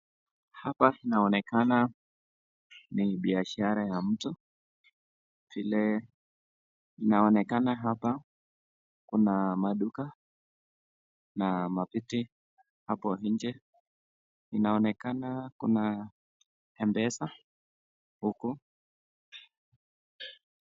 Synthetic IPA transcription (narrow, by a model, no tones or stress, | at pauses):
hapainaɔnɛkana | niɓiaʃaɾajam̩tu | vilɛ | inaɔnɛkanaɦapa | kunamaɗuka | namapiti | hapɔɦiɲd͡ʒɛ | inaɔnɛkanakṵna | hɛmbɛsa | huku